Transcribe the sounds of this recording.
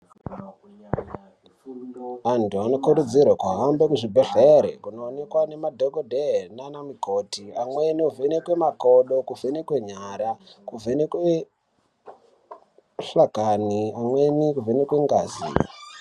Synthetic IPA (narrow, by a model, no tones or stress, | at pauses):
antuano̞kuɾud͡zirwakwaɦambekuʐibʱeɬeɾḛkuno̞ːne̞kwane̞madʱoɡʱodʱenanamiko̞tiamweniuvenekwe̞makoɗo̞kuvʱenekwe̞ɲaɾakuvʱenekwe | ɬakaniamwenikuvʱenekweŋɡazḭ